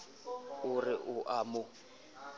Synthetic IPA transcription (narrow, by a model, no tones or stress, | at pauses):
ʊrɪʔʊʔamʊ